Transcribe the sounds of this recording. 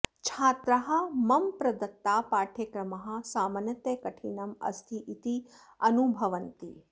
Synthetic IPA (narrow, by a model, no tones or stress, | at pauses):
t͡ʃʰaːt̪ɾɐɦɐ̆mɐmpɾɐd̪ɐt̪ːaːpaːʈʰjekɾɐmɐɦɐ̆saːmɐnjɐt̪jekɐʈʰinɐmɐ̰st̪ʰiʔit̪i | ɐnubʱɐʋɐnt̪ḭ